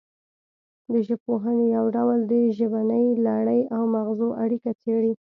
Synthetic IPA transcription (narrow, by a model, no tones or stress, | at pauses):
d̪əʒəb̚poɦənejawɖawld̪əʒəbanəjlaɽəjawmaɣzoʔaɽikat͡seɽi